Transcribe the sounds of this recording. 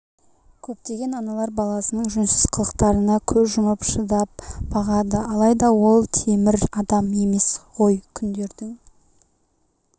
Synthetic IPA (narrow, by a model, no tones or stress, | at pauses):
kʲʰɵp̚t̪e̞ɡʲe̞nɑnɑlˠɑɾbɑlˠɑsənəɴʒʏmsɪz̥qʰəlˠəqt̪ɑɾənɑkʲʰɵzʒʊməpʃəd̪ɑp̚b̥ɑʁɑd̪əɑlˠɑjd̪ɑwo̞lˠt̪ʰe̞mɪɾɑd̪ɑme̞me̞sʁo̞jkʲʰʏnd̪e̞ɾd̪ɪŋ